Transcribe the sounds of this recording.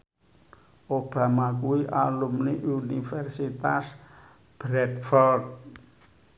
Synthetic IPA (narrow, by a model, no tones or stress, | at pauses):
ʔob̥a̤makuiʔalumniʔunifɛrsit̪as | b̥ɾɛt̪̚fɔrd̪̚